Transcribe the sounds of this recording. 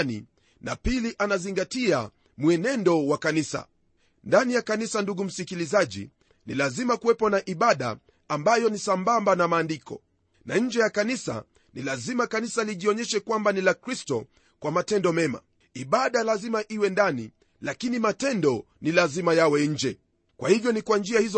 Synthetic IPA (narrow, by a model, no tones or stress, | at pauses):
nḭ | na̰piliʔanaziŋɡatia | muɛnɛndɔwakanisa̰ | ndanijakanisanduɠum̩sikilizaʄḭ | nilazimakuwɛpɔnaʔiɓaɗa̰ː | mbajɔnisambambanamaːndikɔ̰ | naɲ̩d͡ʒɛjakanisa̰ | nilazimakanisaliʄiɔɲɛʃɛkwambanilakɾistɔ | kwamatɛndɔmɛma̰ | iɓaɗalazimaʔiwɛndanḭ | lakinimatɛndɔ | nilazimajawɛɲ̩d͡ʒɛ | kwʔahivjɔnikwand͡ʒiahizɔ